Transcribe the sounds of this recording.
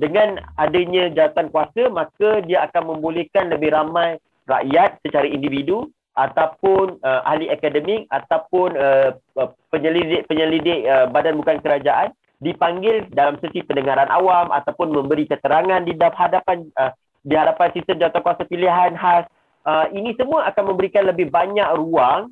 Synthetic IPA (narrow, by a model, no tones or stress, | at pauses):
dəŋãnadəɲãd͡ʒawat̪ankuasamãkadiaakanmə̃mbolɛhkanləbɪhɾamaj | ra̰ʔjat̪̚sət͡ʃaɾaindividu | ʔat̪awpʊnəʔa̰hliʔakadəmik̚at̪awpʊnə | pəɲəliɪʔpəɲəlidɪʔəbadanbukankəɾad͡ʒaʔan | dipaŋɡɪldalamsəsipəndəŋaɾanʔa̰wamʔa̰t̪awpʊnmə̃mbəɾikət̪əɾaŋãndidaphadapanə | diɦadapansist̪əmd͡ʒawat̪akuasapiliɦanɦas | əinĩsəmũaʔakanmə̃mbəɾikanləbɪhbaɲak̚ruaŋ